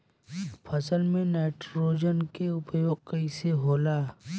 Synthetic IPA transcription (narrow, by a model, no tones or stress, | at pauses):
pʰɐsəlmẽneːʈɾoːd͡ʒənkeʊpjoːɡ̚kɐɪseɦoːlaː